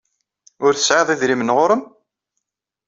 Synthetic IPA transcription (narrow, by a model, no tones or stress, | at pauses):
ʊɾθə̥sʕeðˤiðɾimənʁʊɾəm